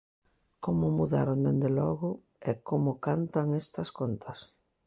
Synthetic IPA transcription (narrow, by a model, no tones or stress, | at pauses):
komʊmuða̰ɾond̪end̪elɔɣʊ | ɛkomʊkant̪aŋest̪ɐskont̪ʰɐs